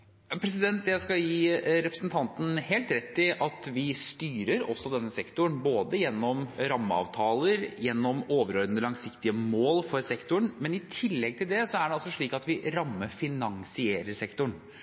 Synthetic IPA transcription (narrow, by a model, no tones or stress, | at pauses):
ɑpʰɾɛs̬ɪd̪ɛnt̪jæɪskɑjiːɾɛpɾəsnt̪ʰɑnt̪n̩heːlt̪ɾɛt̪ːɪʔɑt̪ʋɪst̪yːɾəɾɔ̰sːɔd̪ɛnːəsɛkt̪ʊɳboːd̪əjɛnːɔmɾɑmːəɑ̰ːʋt̪ʰɑːləɾjɛnːɔmoːʋəɾoɾd̪ənəlɑŋsɪkt̪ɪəmoːlfɔɾsɛkt̪ʊɳmɛnɪt̪ʰɪlːɛɡ̚t̪ʰɪld̪ɛsɔæɖɛɑlsɔʂɭiːkɑt̪ʋɪɾɑmːəfɪnɑŋsɪeːɾəɾsɛkt̪ʊɳ